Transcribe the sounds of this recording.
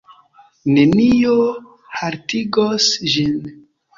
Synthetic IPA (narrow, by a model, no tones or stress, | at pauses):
nenijo | haɾtiɡosʒin